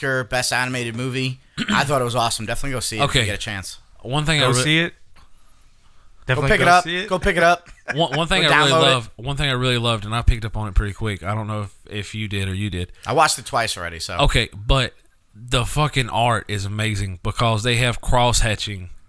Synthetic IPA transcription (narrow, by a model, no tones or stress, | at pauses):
ə˞bɛstænɨmeɪɾɨd̚mʉvi | aɪθɔɾət̚wʌzɔsm̩dɛfənətˡliɡoʊsioʊeɪɡɛɾɨt͡ʃʰæ̃nswʌ̃nθɪ̃ŋaɪsiɪt̚ | ɛɪkɨɾʌʌsiɡ̥oʊpɪkɨɾʌp̚wʌ̃wʌ̃nθɪ̃ŋaɪɹɪlˠilʌvwʌ̃nθɪ̃ŋaɪɹɪlˠilʌvdɨ̃naɪpʰɪk̚tʌpn̩ɨt̚pʰɹ̥ɪɾikʰw̥ɪkaɪɾõʊ̃nːoʊɨfɪfjɨdɪɾə˞jɨdɪd̥aɪwɑt͡ʃɨtʰw̥aɪsl̩ˠɹɛ̰ɾḭsoʊoʊkʰeɪb̥ʌt̪̚ | ðəfʌkɪ̃ŋʔɑɹɾɪzəmeɪzɪ̃ŋbəkʰʌzðeɪɨv̥kʰɹ̥ɔshæt͡ʃɪ̃ŋ